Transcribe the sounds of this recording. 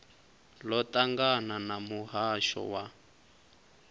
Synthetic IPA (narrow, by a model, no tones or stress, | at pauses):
lɔtaŋɡananamuɦaʃɔ̰wa